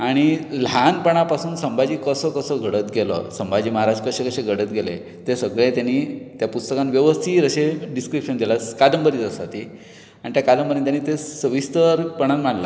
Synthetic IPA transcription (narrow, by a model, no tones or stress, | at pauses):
aɽ̃ilanpəɳ̃apasuːnsəmbad͡ʑiːkəsɔkəsɔɡʱəɽət̪ɡelɔ̰səmbad͡ʑiːməɦaɾad͡ʑkəɕekəɕeɡʱəɽət̪ɡʱelḛ | t̪esəɡɭẽt̪janit̪japust̪əkãnʋjəʋəst̪ʰiːɾəɕeɖiskɾipʂənd̪elaskad̪əmbəɾit̪əsat̪i | aɽ̃it̪jakad̪əmbəɾit̪janːit̪esəʋist̪əɾpəɽ̃anm̤aɳla̰